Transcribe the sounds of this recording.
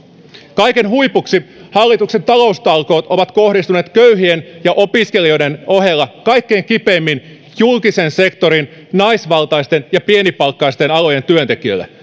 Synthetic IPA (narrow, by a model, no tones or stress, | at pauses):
kɑjke̞nɦuipuksihɑlːit̪ukse̞nt̪ɑlo̞ust̪ɑlko̞ːt̪o̞ʋɑt̪ko̞hdist̪une̞ːt̪køyɦienjɑʔo̞piske̞lio̞jde̞no̞ɦe̞lːɑkɑjkːe̞ːŋkipe̞ːmːin | julkise̞nse̞kt̪o̞ɾin | nɑisʋɑlt̪ɑjst̪e̞njɑpie̞nipɑlkːɑist̪e̞nɑlo̞je̞nt̪yønt̪e̞kiø̰lːḛ